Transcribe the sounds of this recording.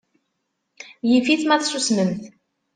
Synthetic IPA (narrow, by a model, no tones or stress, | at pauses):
jifiθmæθsusməmθ